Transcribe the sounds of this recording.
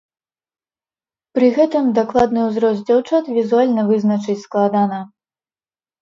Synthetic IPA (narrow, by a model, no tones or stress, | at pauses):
pɾɨɣɛt̪ɨmd̪aklˠad̪nɨwzɾɔsʲd͡zʲawt͡ʂat̪vʲizualʲnɐvɨznɐt͡ʂɨt͡sʲsklˠad̪anɐ